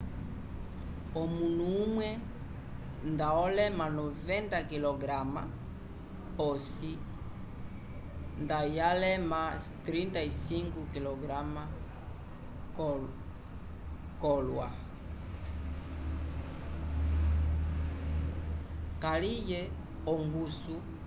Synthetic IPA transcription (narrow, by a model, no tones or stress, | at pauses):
ɔmunuumwɛ | ndaɔlɛmanɔvɛnt̪akilɔɡɾama̰ | ɔsi | ndajalɛmat̪ɾint̪aisiŋɡukilɔɡɾama | k | kɔlwa̰ | kalijɛ | ɔŋɡusu